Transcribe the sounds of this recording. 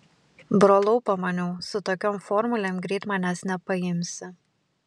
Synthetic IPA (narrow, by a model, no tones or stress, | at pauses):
bɾoːlˠɔʊpɐmɐnʲɛʊsʊt̪oːkʲɔːmfɔːɾmʊlʲeːmɡɾʲiːt̪mɑːnʲæsnʲɛpɐjɪmʲsʲɪ